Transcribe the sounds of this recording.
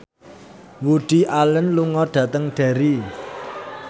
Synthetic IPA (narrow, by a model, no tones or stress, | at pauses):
wuɖ̥iʔalənluŋɔɖ̥ä̤t̪əŋɖ̥a̤ɾi